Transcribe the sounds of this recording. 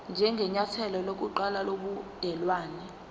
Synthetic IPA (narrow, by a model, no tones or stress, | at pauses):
nd͡ʒʱɛŋɡʱɛɲatʰɛlɔlok̬uǃalaloɓud̥ʱɛlwaːnɛ